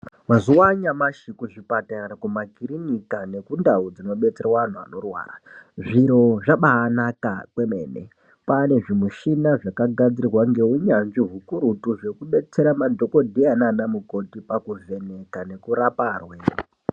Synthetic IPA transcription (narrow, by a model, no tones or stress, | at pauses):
waziwaɲamaʃikuʐipataɾakumaɡʱiɾinikane̞kundaud͡zino̞ɓe̞t͡serawaan̤ua̰no̞rwa̰ːraʐiɾo̞ʐaɓaːnakakwe̞mḛːnḛ | pane̞ʐimuʃinaʐakaɡʱad͡zirirwaŋɡe̞uɲanʐiɦukuɾutuʐe̞kuɓe̞t͡se̞ɾamadʱo̞ko̞dʱeananamuko̞tipakuve̞ne̞kane̞kuɾaparwe